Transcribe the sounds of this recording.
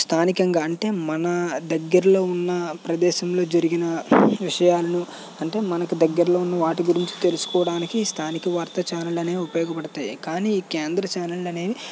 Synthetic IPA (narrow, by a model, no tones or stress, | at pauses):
st̪ʰaːnikɐŋɡaːɐɳʈe̞ːmɐnɐd̪ɐɡːɐɾɐlo̞ːunːɐpɾɐd̪ɛːʃɐmlo̞ːd͡ʒɐɾiɡinɐʋiʂɐjaːlɐnu | ɐɳʈe̞ːmɐnɐkud̪ɐɡːɐɾɐlo̞ːunːɐʋaːʈiɡuɾiɲt͡ʃi̥t̪e̞lusu̥kɔːʋɐɽaːnikiːst̪ʰaːnikɐʋaːɾt̪ɐt͡ʃaːnɐlɐne̞ːupɐjɔːɡɐpɐɽɐt̪aːjikaːniːiːkeːnd̪ɾɐt͡ʃaːnɐlɐne̞ː